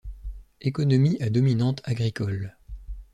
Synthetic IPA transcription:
ekɔnɔmiʔad̪ɔminɑ̃t̪ʰaɡʁikɔl

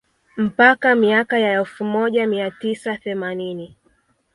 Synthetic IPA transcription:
m̩pakamiakajaɛlfumɔʄamiatisaθɛmanini

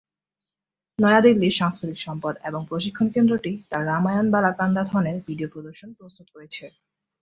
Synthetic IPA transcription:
nɔead̪ilːiʃaŋskɾet̪ikʃɔmpad̪eboŋpɾoʃikʰːonkend̪ɾoʈit̪aɾːamajonbalakand̪at̪ʰɔneɾbiɖiopɾod̪oɾʃonpɾost̪ut̪koɾet͡ɕʰe

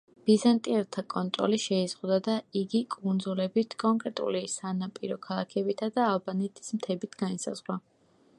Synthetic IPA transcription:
b̥izant̪ʼiɛɾt̪ʰakʼɔnt̪ʼɾɔ̰liʃɛizʁwd̪ad̪aiɡikʼund̪zulɛbit̪ʰkʼɔŋkʼɾɛt̪ʼṵlisanapʼḭɾɔkʰalˠakʰɛbit̪ʰad̪aːlbanɛt̪ʰʼi̥smt̪ʰɛbit̪ʰɡanisa̰zʁwa

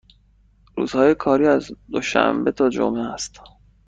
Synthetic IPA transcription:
ɾṵːz̥hɒːjekʰɒːɾiːæzd̪oʃæ̰mbe̞t̪ʰɒːd͡ʒo̰mʔeæst̪

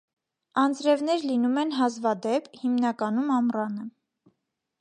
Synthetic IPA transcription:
ɑnd͡zɾɛvnɛɾlinumɛnɦɑzvɑd̪ɛpʰhimnɑkɑnumɑmrɑnə

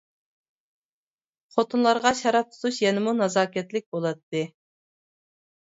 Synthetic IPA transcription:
χot̪ʰunlˠɑɾʁɑʃɑɾɑp̚t̪ʰu̥t̪ʰuʃjɛnɪmunɑzɑːkʲɛt̪lɪk̚ʲbolˠɑt̪ːɨ

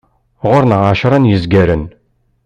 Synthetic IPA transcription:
ʁʊɾnʁaʃɾˤɑnjəzɡæɾən

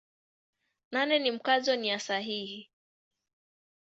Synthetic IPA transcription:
nanɛnim̩kazɔnijasaɦihi

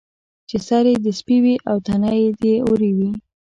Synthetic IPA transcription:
t͡ʃesaɾed̪əspiwiʔawt̪anajed̪eoɾiwi

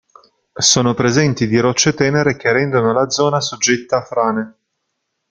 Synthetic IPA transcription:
soːnopɾezɛnt̪id̪iɾɔt͡ʃːet̪ɛːneɾek̟erɛnd̪onolad̪zɔːnasod͡ʒːet̪ːaːfːɾaːne

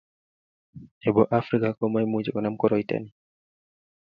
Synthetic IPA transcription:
ɛbɔʔafɾikakɔmajmud͡ʒɛkɔnamkɔɾɔjta̰ni

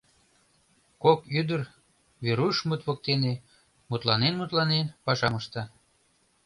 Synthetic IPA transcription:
kokyd̪ər | βeɾuʃmut̪βok̚t̪ene | mut̪lɑnenmut̪lɑnenpɑʃɑməʃt̪ɑ

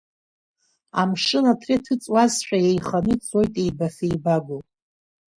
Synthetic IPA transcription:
amʂɨnatʰretʰɨt͡sʼwazħᶣajejχanɨt͡sʼojtʼe̞jbafejbaɡʷo

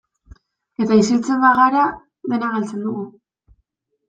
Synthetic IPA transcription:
e̞t̪aisilt͡se̞mbaɣaɾa | ðe̞naɣalt͡se̞nd̪uɣu

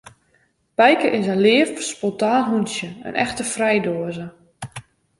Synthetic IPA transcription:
b̥ɛjkəʔɪsəlɪəfspɔntaːnɦunsjəə̰nʔɛ̰xtəfrɛjdoəzə

